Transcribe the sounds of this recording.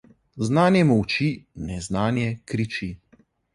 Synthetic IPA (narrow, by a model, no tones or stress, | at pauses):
znaːnjɛmɔwt͡ʃinɛznaːnjɛkɾit͡ʃi